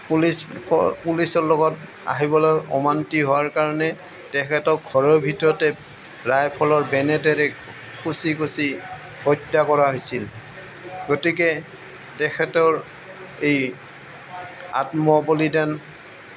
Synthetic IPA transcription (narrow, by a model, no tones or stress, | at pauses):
plisɔpulisɔɹlɔɡɔt | a̰ɦibɔlɔjɔ̰mantiɦowaɹkaɹɔnɛ | tɛkʰɛtɔɡʱɔɹɔbʱitɹɔtɛ | ɹajpʰɔlɔɹbɛnɛtɛɾɛ | kʰusikʰusi | hɔtːakɔɹaɦojsil | ɡɔtikɛ | tɛkʰɛtɔɹ | ej | a̰tmɔbolidan